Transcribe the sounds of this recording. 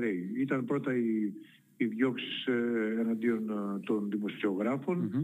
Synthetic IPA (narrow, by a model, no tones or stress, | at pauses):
ɾejit̪ɐnpɾo̞t̪ɐiː | ðʝo̞ksi̥sɐnɐnd̪io̞nt̪ond̪imosio̞ɣɾɐfo̞n